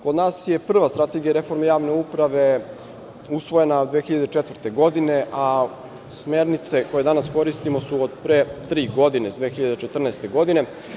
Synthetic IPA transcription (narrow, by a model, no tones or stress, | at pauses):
kod̪naːsjepr̩ʋast̪ɾat̪e̞ɡijaɾe̞fo̞ɾmejaːʋne̞upɾaʋe̞ | usʋo̞je̞naod̪ʋeːxiʎad̪et͡ʃet̪ʋr̩t̪e̞ɡo̞d̪ineʔa | smeːɾnit̪se̞ko̞jed̪anasko̞ɾist̪imo̞suod̪pɾet̪ɾiːɡo̞d̪ined̪ʋeːxiʎad̪et͡ʃet̪r̩nɛːst̪e̞ɡo̞d̪ine̞